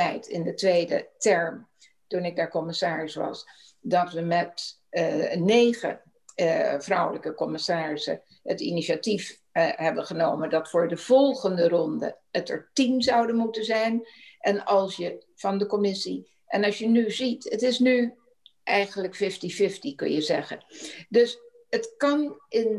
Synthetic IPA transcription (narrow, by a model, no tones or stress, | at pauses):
ɛjtɪ̰ndətʋejdə̰tɛɹm | tunɪɡ̚daːɹkɔmɪsaːɹɪsʋɑ̰s | dɑtʋəmɛt | nejχə̰ | vrʌwləkəkɔmɪsaːɹɪsə̰ | ə̰tḭniʃatif | ɦɛbənχənowmədɑtfʊːɹdəv̥ɔlˠχəndərɔndə̰ətə̰ɹtimzɑwdənmutənzɛjnʔɛnɑlˠsjə | v̥ɑndəkɔmɪsi | ʔɛnɑsjənyzitətɪsny | ʔɛjχənləkfɪftifɪftikɵ̰njəzɛχə̰ndɵs | ətkɑnɪn